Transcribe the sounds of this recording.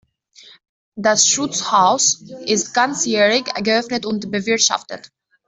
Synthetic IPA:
dasʃʊt͡shaʊsʔɪst̚ɡ̥ant͡sjɛːʁɪçɡəœfnətʊntbəvɪɐtʃa̰ftə̰t

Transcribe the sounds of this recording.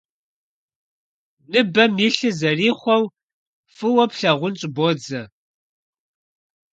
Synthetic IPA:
nɨbɐmjiɬɨzɐriːχʷɔw | fɨwɐpɬɐʁʷʊnt͡ʃʼboːd͡zɐ

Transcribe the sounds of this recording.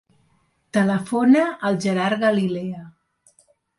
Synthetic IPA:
t̪ələfonəʔːlˠʒəɾaɾɣəlilɛə

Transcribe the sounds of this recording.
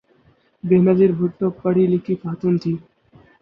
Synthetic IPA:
beːnəziɾbʱʊʈʈopəɽ̤ilikifaːt̪uːnt̪ʰiː

